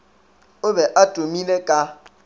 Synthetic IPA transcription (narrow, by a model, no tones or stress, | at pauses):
ʊbɛʔatʼomilekʼa